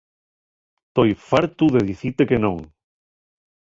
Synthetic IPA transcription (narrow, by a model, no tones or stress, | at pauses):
t̪ojfaɾt̪uðeðiθit̪ekenõŋ